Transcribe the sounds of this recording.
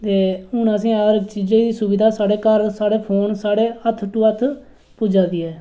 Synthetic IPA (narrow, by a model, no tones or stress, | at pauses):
t̪eːɦʊnəsĩːaɾt͡ʃiːd͡ʒẽːd̪iːsʊbɪd̪aːsaːɽeːkəɾsaːɽeːpʰoːnsaːɽeːət̪ʰːʈuːət̪ʰ | puːd͡ʒaːd̪iːɛː